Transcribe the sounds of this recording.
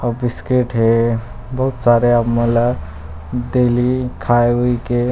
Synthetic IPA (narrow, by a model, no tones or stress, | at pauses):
abiskeʈɦe | bəɦut̪saɾeapməla | d̪elikʰajʋuike